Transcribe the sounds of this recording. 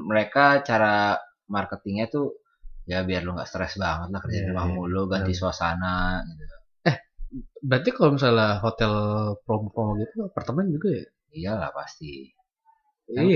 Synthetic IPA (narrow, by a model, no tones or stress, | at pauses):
məɾekat͡ʃaɾa | markət̪ɪŋɲat̪u | jabiarloŋɡa̰ʔst̪ɾɛsbaŋət̪̚lahkərd͡ʒanimamuluɡanisuasa̰naɡit̪ut̪u | ɛhbəɾat̪̬ikalomis̬alaɦot̪ɛlpɾɔmpɾɔmɡit̪uapart̪əmɛnd͡ʒuɡaja | ijala̰hpa̰st̪i | ij